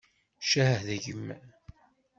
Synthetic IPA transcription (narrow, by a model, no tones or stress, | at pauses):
ʃæhəhðæʝəmː